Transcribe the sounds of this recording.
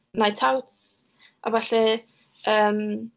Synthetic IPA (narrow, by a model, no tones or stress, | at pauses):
najtʰawt | ʔa̰vaɬɛ | əːm